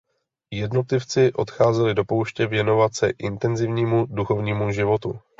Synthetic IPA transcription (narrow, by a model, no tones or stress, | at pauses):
jɛdno̞t̪lɪft͡sɪʔo̞t̪xaːzɛlɪdo̞po̞wʃcɛvjɛno̞vat̪sɛʔɪnt̪ɛnzɪvɲiːmuduxo̞vɲiːmuʒɪvo̞t̪u